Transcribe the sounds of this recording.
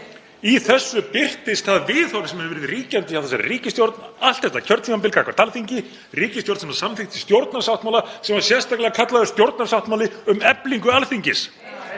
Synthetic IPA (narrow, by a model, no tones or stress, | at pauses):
iθɛsːʏpɪr̥t̪ɪst̪θaðvɪðɔwɾsɛmhɛvvɛːɾɪðriːcant̪ɪavfθɛsaɾriːcɪst̪jowɾt̪nal̥t̪θɛht̪ːacʰœɾt̪fimampɪlkakvaɾt̪alθiɲcɪ | riːcɪst̪jowɾt̪sɛmasamθɪht̪ɪ̥st̪jowɾt̪narsawt̪mawlasɛmḁsjɛ̥st̪aklɛɣakʰat̪laðʏ̥st̪jowɾt̪naɾ̥sawht̪mawlɪʏmɛpliŋkʏalθiɲcɪs